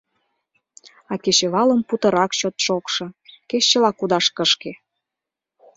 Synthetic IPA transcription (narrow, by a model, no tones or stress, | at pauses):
ɑket͡ɕeβɑlə̆mput̪ə̆ɾɑkɕot̪ʃokʃɤ̆keɕːəlɑkud̪ɑʃkəʃke